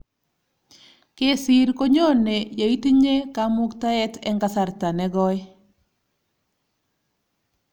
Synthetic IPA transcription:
ke˦si˨ɾko˦ɲo˦ne˨ja˨i˦ti˦ɲe˦ka˦mʊ˦kta˦ɛ˦tɛ˦ŋɡa˦sa˨ɾta˨nɛ˦ɡɔ˦

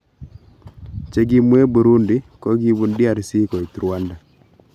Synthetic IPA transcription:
t͡ʃe˨ɡi˦mwe˦bu˨ɾu˦ndi˦kɔ˦ɡi˦βu˨ndi˦a˨ɾsi˦kɔ˨i˨tu˨ɾwa˦nda˨

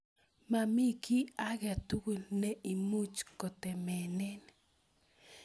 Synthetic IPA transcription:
ma˨mi˦ki˦a˦ɡa˨t̪u˦ɡu˨lnɛ˦ʔi˨mu˦t͡ʃkɔ˨t̪ɛ˨mɛ˨nɛ˦n

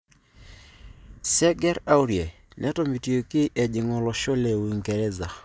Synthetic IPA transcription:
sɛ˦ɡɛ˦ɾa˦u˦ɾjɛ˨ | nʔɛ˦tɔ˦mi˨ti˨o˨kɪ˦ʔɛ˨d͡ʒɪ˨ŋɔ˨lɔ˨ʃo˦lɛ˨wi˨ŋɡɛ˨ɾɛ˦za˨

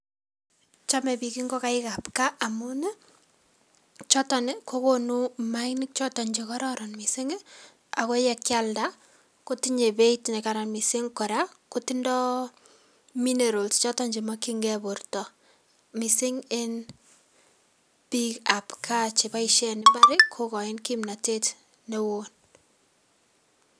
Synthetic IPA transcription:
t͡ʃa˦mɛ˨biki˦ŋɡɔ˦ka˦ɪka˨pka˦ʔamunɛ˦ | t͡ʃɔ˦tɔ˨nɪ˨ko˦konu˦maɪnɪk̚t͡ʃɔ˦tɔ˨ɲd͡ʒekɔ˦ɾɔɾɔnmi˨sɪ˦ŋ | a˨ko˦jɛ˦kjalda˦ | ko˦tiɲe˨be˦itne˨kaɾa˨nmi˨sɪ˦ŋkɔ˨ɾa˦ko˦ti˦ndɔ˦ | mi˦ne˨ɾo˨lst͡ʃɔ˦tɔ˦ɲd͡ʒi˨makiŋɡɛbo˨rtɔ˨ | mi˨sɪ˦ŋɪ˦n | b̥ikapkʰat͡ʃi˨ba˦iʃɛnɪmbaɾɪkʰokɔ˨ɪnkimna˨te˦t | newon

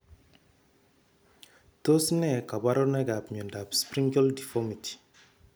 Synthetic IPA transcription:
to˦snɛ˨ka˨ba˦ɾo˦na˦ɡa˨pɲu˨nda˨pspɾi˦ŋɡɔ˦ldi˨fɔ˦mi˨ti̥˨

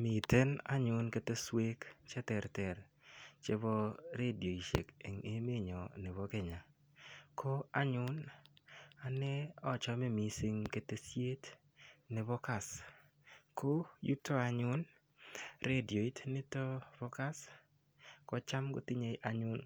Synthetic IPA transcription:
mi˨te˦na̰˦ɲʊ˨nke˨te˦swe˦kt͡ʃe˦tɛ˨ɾtɛ˨ɾ | t͡ʃe˦bɔ˦ɾe˦di˨o˨i˨ʃḛ˨kḛ˨ŋe˦me˦ɲɔ˨nɪ˨βɔ˦ke˨ɲa˨ | kʰo˦a˦ɲʊ˦n | a˨nɛ˦ɔ˦˨t͡ʃɔ˦me˦mi˨sɪ˦ŋke˦te˦sje˦t | nɪ˨bɔ˦ka˨s | ko˦ju˦to˦a˨ɲʊ˦n | ɾe˦di˨o˨i˦tnɪ˦to˦bɔ˦ka˦s | kɔ˦t͡ʃa˦mɡo̰˦ti˦ɲe˨jʔa˨ɲʊ˦n

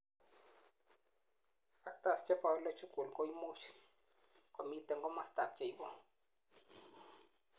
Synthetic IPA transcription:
fa˨ta˦˨st͡ʃɛ˦ka˦˨ɔ˦lɔ˦t͡ʃu˦ku˨lɡɔ˦i˦mo˦t͡ʃ | ko˨mi˦tɛ˨ŋɡɔ˦ma˨sta˨p̚t͡ʃa˦i˦bɔ˦

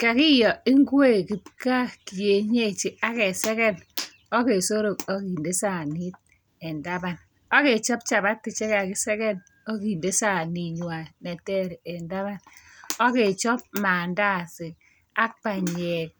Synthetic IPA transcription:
ka˨kɪ˦jɔ˨ɪ˦ŋ˦ɡwe˦˨ki˨pka˦˨ki˨je˨ɲe˦˨t͡ʃi˨a˦kɛ˨sɛ˦kɛ˦n | ɔ˦ke˨so˦ɾo˨kɔ˦ki˨nde˦sa˨ni˦t̚ | ɛ˨nda˦ba˨n | ɔ˦ke˨t͡ʃɔ˦p̚t͡ʃa˨ba˦tːɪ˨t͡ʃɛ˦ka˨kɪ˦sɛ˦kɛ˦n | ɔ˦ki˨nde˦sa˨ni˨ɲwa˨nɛ˨tɛ˦ɾɛ˨nda˦βa˦nɔ˦ke˨t͡ʃɔ˦p̚maː˨nda˦˨sɪ˨ | a˦k̚pa˨ɲ˨ɛ˨k̚

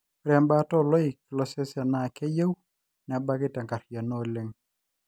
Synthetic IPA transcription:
ɾɛ˨mba˦tɔ˦˨lɔ˦ɪ˨kɪ˨lɔ˦sɛ˦sa˨na˦˨ke˦je˦w | nɛ˨˦ba˦kɪ˦tɛ˨ŋka˨ɾja˨no˦˨lɪ˦ŋ

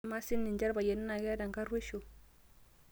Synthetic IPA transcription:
ma˦si˦nːi˨nd͡ʒa˦ɾba˨je˨nu˦na˨ɡe˦a˦da˨ŋka˦ɾwe˦ʃo˨

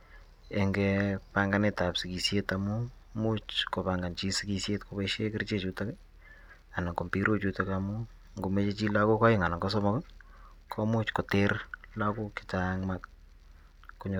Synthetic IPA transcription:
ɛŋɡɛpa˦ŋɡa˦ne˦ta˨psi˨ki˨sje˦ta˨mu˦ | mut͡ʃko˨paŋɡa˨nt͡ʃi˦si˦ki˨sje˦tko˦peʃe˦kɪ˦rt͡ʃe˦t͡ʃuta˦k | a˨na˨ko˨mpi˦ɾo˦t͡ʃuta˦kamu˦ | ŋɡo˨me˦t͡ʃe˦t͡ʃi˦la˦ko˦kɔ˦jɪ˦ŋa˨na˨ŋɡɔ˦s̬ɔ˦mɔk | kʰɔ˦mu˦t͡ʃkɔ˨te˦rla˦ku˦kɪ̥˨t͡ʃaŋma˦k̚ː | u˦ɲ

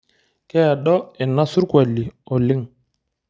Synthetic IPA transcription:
kɛ˦˨ɗɔ˦ɛ˨nːa˦su˦ɾkwa˨lːi˨ɔ˨li˦ŋ

